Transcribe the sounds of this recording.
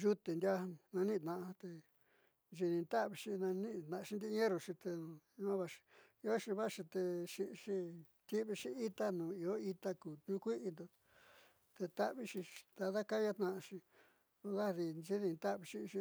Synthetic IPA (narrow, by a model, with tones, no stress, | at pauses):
ʒu˦t̪e˨nd̪ʲa˦˧nã˧nĩ˦˧t̪nã˧ʔt̪e˧ | nʒi˧nĩ˧nt̪a˦ʔβi˧ʂi˧nã˧nĩ˦˧t̪nã˧ʃi˧nd̪i˧˦˧ẽ˦ɾo˧ʂi˧t̪ẽ˧ã˦βa˧ʃi̥˧ | i˧o˦ʃi˧βa˦ʃi˧t̪e˧ʂi˧ʂi˧ | t̪i˦βi˧ʂi˧i˦t̪a˦nũː˨i˧o˦i˧t̪a˦kuː˨t̪ɲũ˧˦kʷi˦ʔi˧nd̪o˧ | t̪e˧t̪a˦ʔβi˧ʃi˧d̪a˧ða˦ka˦ja˦t̪nã˧ʃĩ˧ | o˧ða˦˧ði˧ʒi˦ðĩ˧nt̪a˦ʔβi˧ʃi˧ʃi˧